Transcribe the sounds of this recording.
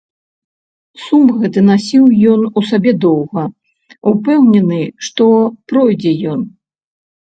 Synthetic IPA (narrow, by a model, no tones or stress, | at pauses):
sumɣɛt̪ɨnasʲiwjɔnusabʲɛd̪ɔwɣɐ | upɛwnʲɛnɨʂt̪ɔpɾɔjd͡zʲɛjɔn